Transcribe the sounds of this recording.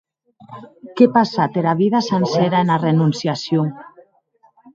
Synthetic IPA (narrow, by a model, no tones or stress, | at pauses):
kepasat̪eɾaβiðasensɛɾaenarenunsjasjo